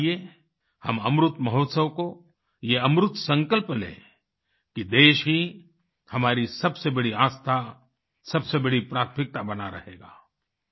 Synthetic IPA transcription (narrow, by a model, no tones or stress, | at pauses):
ie | hɐmɐmɾʊt̪mɐɦɔːt̪səwko | jeɐmɾʊt̪sɐ̃ŋkəlplḛː | kid̪eːʃɦi | hɐmaːɾisɐbsebɐɽiaːst̪ʰa | sɐbsebɐɽipɾaːt̪ʰmɪk̚t̪abɐnaɾɐ̰ɦḛːɡa̰ː